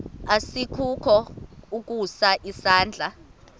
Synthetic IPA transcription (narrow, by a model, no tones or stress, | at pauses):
asikʰukʰɔuk̬ʼusaʔisaːnd͡ɮʱa